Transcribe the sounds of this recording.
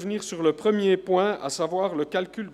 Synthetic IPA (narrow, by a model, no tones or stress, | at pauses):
vniːʁsyʁləpχəmjepwɛ̃a̰savwaːʁləkalkʲyl